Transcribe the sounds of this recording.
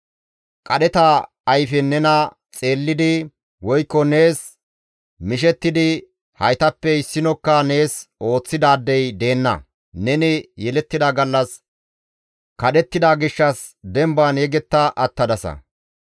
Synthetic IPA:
kʼɐɗɛt̪ɐː | jfɛnːɛnɐ | t͡sʼe̞ːlːɪd̪ɪ | wɔjkːɔne̞ːs | mɪʃɛt̪ːɪd̪ɪ | hɐjt̪ɐpːɛɪsːɪnɔkːɐne̞ːso̞ːt͡sːɪd̪aːd̪ːɛjd̪e̞ːnːɐ̰ | nɛnɪjɛlɛt̪ːɪd̪ɐɡɐlːɐs | kɐɗɛt̪ːɪd̪aɡɪʃːɐs | d̪ɛmbanɛɡɛt̪ːɐʔɐt̪ːɐd̪ɐsɐ̰

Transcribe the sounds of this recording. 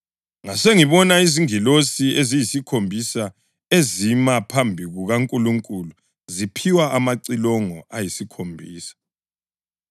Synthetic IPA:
ŋaseŋiβɔnaiziŋilosiezijisikʰombʱisa | ezimapʰambʱiɣuɣaŋkʼuluŋkʼulu | zipʰiwaʔamaǀilɔŋɔʔajisikʰombʱiːsḁ

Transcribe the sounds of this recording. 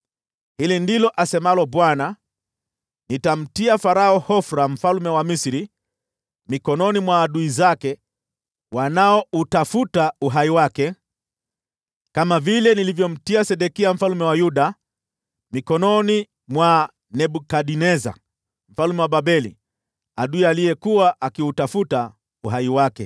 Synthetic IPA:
hilindilɔʔasɛmalɔɓwana | nitam̩tiafaɾaɔhɔfɾam̩falmɛwamisiɾi | mikɔnɔnimwaːɗuizakɛ | wanaɔutafutauɦaiwakɛ | kamavilɛnilivjɔm̩tiasɛɗɛkiam̩falmɛwajuɗa | mikɔnɔni | mwa | nɛɓukaɗinɛza̰ | m̩falmɛwaɓaɓɛlḭ | aɗuialijɛkuwaʔakiutafuta | uɦaiwakɛ

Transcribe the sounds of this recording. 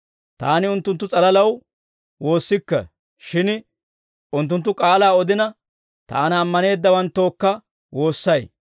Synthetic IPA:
t̪aːnɪʊnt̪ːʊnt̪ːʊt͡sʼɐlɐlɐw | wo̞ːsːɪkːɛ̰ | ʃɪn | ʔʊnt̪̬ːʊnt̪ːʊkʼaːlaːɔd̪ɪnɐ | t̪a̰ːnɐːmːɐne̞ːd̪ːɐwɐnt̪ːo̞ːkːɐ | wo̞ːsːɐj

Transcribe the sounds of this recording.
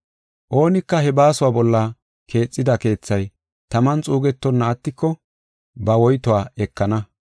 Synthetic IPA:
ʔo̞ːnɪkːɐhɛbaːsʊwaːbɔlːɐ | kʰe̞ːt͡sʼːɪd̪ɐke̞ːt͡sːɐj | t̪ɐmɐnt͡sʼuːɡɛt̪ːɔnːɐːt̪ːɪkːɔ | bɐwɔjt̪ʊwaːɛkːɐnɐ

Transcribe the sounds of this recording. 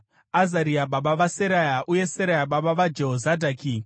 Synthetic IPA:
azaɾiaɓaɓaʋaseɾajaʔuje̞seɾajaɓaɓaʋad͡ʒe̞ɦozadʱaːki

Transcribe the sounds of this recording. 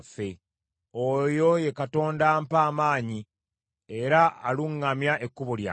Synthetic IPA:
fe̞ | ojo̞je̞kato̞ːndampaːmaːɲi | e̞ɾaa̰luŋːamjaʔe̞kːuβolja̰

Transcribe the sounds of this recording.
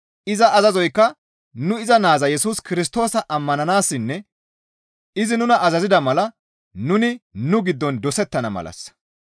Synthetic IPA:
ʔɪzɐʔːzɐzɔjkːɐ | nʊɪzɐnaːzɐjɛsuːskɪɾɪs̬t̪o̞ːsɐʔɐmːɐnɐnaːsːɪnːɛ | ɪzɪnʊnɐʔɐzɐzɪd̪ɐmɐlɐ | nʊnɪnʊɡɪd̪ːɔnd̪ɔsɛt̪ːɐnɐ̰mɐ̰lʔɐ̰s

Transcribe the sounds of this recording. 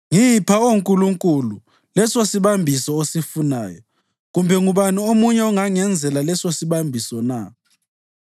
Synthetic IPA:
ŋijpʰaoŋkʼuluŋkʼulu | lɛsosiβambʱisɔosifunaːjɔ̰ | ɣumbʱɛŋuβaniomuɲɛɔŋaŋɛnd͡zʱɛlalɛsosiβambʱisɔna̰

